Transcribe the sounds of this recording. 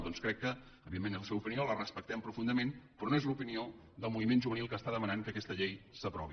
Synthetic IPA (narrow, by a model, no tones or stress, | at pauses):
d̪ɔnskɾɛkːəː | βiðemenəlˠsɛwupiniolərəspək̚t̪ɛmpɾufund̪əmenpɾɔnoezlupinio | ðəlˠmuβimenʒuβənilˠkəst̪aðəmənaŋkəkɛst̪əʎejsəpɾɔβi